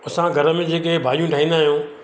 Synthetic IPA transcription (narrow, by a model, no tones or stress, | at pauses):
ɐsãɡʱɐɾəmẽd͡ʑeːkebʱaːɾijũʈʰaːɦĩːnd̪aːɦijũː